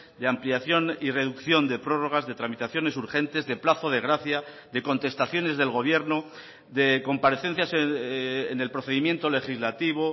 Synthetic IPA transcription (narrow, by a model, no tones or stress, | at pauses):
d̪eampliaθjo̞nire̞ðukθjo̞nd̪e̞pɾo̞ro̞ɣ̞azðe̞t̪ɾamit̪aθjo̞ne̞suɾxe̞nt̪e̞zðe̞plaθo̞ð̞e̞ɣɾaθja | ðe̞ko̞nt̪e̞st̪aθjo̞ne̞zðe̞lɣo̞β̞je̞ɾno | ðe̞ko̞mpaɾeθe̞n̟θjasene̞lpɾo̞θe̞ðimje̞nt̪o̞le̞xizlat̪iβ̞o̞